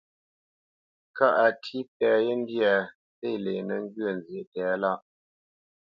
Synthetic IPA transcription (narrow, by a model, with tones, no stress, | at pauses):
ka˦ʔa˨tʰi˦pɛ˨je˦n˦dja˨ | se˦˨le˨nə˨ŋ˦ɡɥə˦˨n˨zje˨tɛː˨˦la˦ʔ